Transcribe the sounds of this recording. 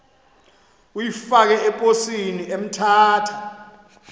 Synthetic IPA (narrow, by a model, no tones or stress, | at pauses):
ujifak̬ɛɛpʼosiniem̩tʰaːtʰḁ